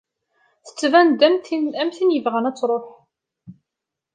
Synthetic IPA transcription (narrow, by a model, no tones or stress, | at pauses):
θə̥t͡sːvænd̪æmθinæmθinjəvʁænæt͡sːɾˤoħ